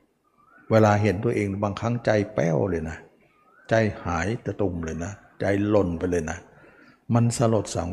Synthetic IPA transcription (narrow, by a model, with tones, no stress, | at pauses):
weː˧laː˧ɦe˨˦nt̪u˧˩əʔeː˧ŋ˩baː˧ŋkʰa˦˥˩ŋt͡ɕa˧jpɛː˧˥˩wlɤː˧jna˦˥ | t͡ɕa˧jhaː˩˦jt̪ɛ˧˩t̪u˧˩mlɤː˧˩jna˦˥ | t͡ɕa˧jlo˧npa˧jlɤː˧jna˦˥ | ma˧nsa˧lo˨˩t̪̚sa̰ː˩˦ŋ